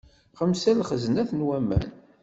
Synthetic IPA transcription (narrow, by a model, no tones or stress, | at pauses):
χəmsælχəzənæθnwæmːæ̰n